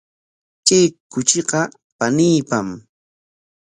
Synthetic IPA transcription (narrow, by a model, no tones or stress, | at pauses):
t͡ʃʼekːʊt͡ʃɪqɑ | paniːpam